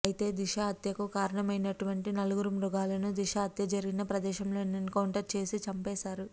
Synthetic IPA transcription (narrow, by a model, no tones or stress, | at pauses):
ɐjit̪e̞ːd̪iʃaɐt̪jɐkukaːɾɐɳɐmɐjnɐʈuʋɐɳʈinɐluɡuɾumɾuɡaːlɐnud̪iʃɐɐt̪jɐd͡ʒɐɾiɡinɐpɾɐd̪ɛːʃɐmlo̞ːninkɐwɳʈɐɾʈ̚t͡ʃe̞ːsit͡ʃɐmpɛːʃaːɾu